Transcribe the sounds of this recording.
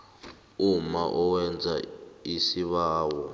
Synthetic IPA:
umaʔɔwɛnd͡zʱaisiβaːwɔ

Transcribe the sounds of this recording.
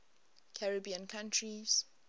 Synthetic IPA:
kʰaɹəbiə̃nkʰãntʰɹiz̥

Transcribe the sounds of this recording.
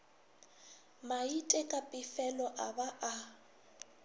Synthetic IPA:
maitʼɛkʼapʼɪfɛlɔʔabaʔa

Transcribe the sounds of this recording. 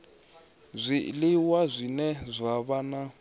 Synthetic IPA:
zʷilɪwazʷinɛzʷaβana

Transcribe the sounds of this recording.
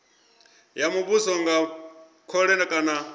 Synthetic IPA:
jamuβusɔŋɡa | kʰɔɺɛnakʼana

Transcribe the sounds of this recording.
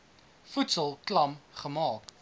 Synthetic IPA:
futsəlˠklɐmχəmɑːk

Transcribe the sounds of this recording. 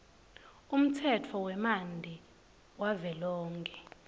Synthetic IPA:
um̩tʰɛtʰɔwɛmandʱi | wavɛlɔːŋkʰʼɛ

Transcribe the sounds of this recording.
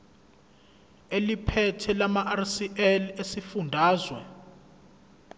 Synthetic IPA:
elipʰɛtʰɛlamaʔarsiʔɛlesifundʱaːzwɛ

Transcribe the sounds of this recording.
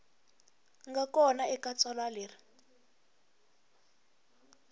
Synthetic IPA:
ŋɡakɔnaɛkat͡sʼɔlaliːri

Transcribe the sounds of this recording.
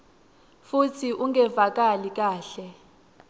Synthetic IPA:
futʰiʔuŋɡɛvak̬ʼalik̬ʼaːɬɛ

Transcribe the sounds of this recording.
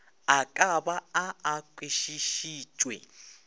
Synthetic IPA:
akʼabaaːkʼweʃiʃiːt͡ʃʼwɛ̰

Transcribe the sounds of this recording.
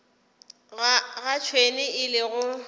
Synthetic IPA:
ɣat͡ʃʰwenɪɪlɪɣʊ

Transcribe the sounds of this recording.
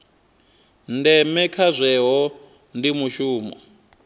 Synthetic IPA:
ndɛmɛkʰazʷɛɦɔ | ndimuʃuːmɔ̰

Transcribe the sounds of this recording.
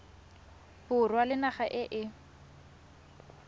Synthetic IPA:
pʊrwalɪnaχaʔɪʔɪ

